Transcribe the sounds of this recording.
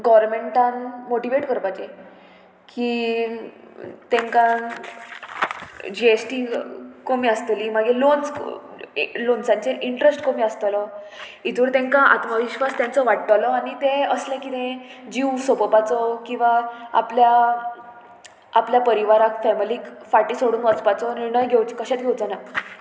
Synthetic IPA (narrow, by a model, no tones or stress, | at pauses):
ɡɔʋɾmeɳʈãnmoʈiʋeʈkəɾpat͡ɕe | kiː | t̪ẽŋkã | d͡ʑiesʈikomiːəst̪əliːmaɡelons | lonsãɲt͡ɕeʔiɳʈɾesʈkomiːəst̪əlɔ | it̪uːɾt̪ẽŋkãʔa̰t̪məʋiɕʋast̪jant͡sɔʋaʈːəlɔaɽ̃it̪eəslɛ̃kit̪ẽd͡ʑiwsopəpat͡sɔkĩw̃ʋaa̰plja | apljapəɾiʋaɾakfɛmilikfaʈiːsoɽuːnʋət͡spat͡sɔniɾɳəjɡʱewt͡ɕi̥kəɕet̪̚ɡʱewt͡sana